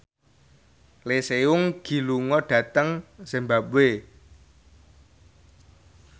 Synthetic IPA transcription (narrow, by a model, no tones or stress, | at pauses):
leseʊŋɡ̥i̤luŋɔɖ̥ä̤t̪əŋsembap̚we